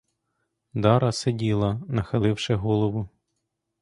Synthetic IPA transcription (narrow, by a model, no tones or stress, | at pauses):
d̪ɑɾɐsedʲilˠɐnɐxɐlˠɪwʃɛɦɔlˠɔʋʊ